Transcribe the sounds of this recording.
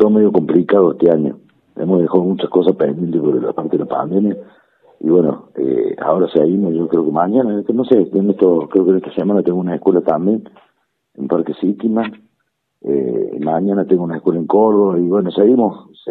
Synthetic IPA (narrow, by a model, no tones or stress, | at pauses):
t̪omeðjoko̞mplikaðoeht̪eaɲo̰ | ḛmoɦðexaðomut͡ʃahkosahpḛnd̪jent̪epoɾela̰paɾt̪eðelapa̰nd̪emja | ḭβweno̰ḛa̰oɾaseɣimoʒokɾeokemaɲanaknoseeneht̪okɾeokeneht̪ḁsemanat̪eŋɡounaehkwelat̪ambje̞n | ḛmpaɾkesit̪ima | ḛmaɲanat̪eŋɡounaehkwe̞laeŋkoɾðoβaiβwe̞noseɣimos